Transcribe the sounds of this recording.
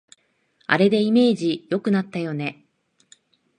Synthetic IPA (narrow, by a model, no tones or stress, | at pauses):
a̰ɾe̞d̪e̞ime̞ːʑijo̞kɯ̟nat̪ːajo̞ne̞